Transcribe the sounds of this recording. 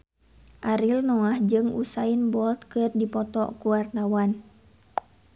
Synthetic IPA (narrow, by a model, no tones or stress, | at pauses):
ʔaɾilnɔahd͡ʒɨŋṵsainbɔlt̪̚kɨrdipɔt̪ɔ̰kuwart̪awan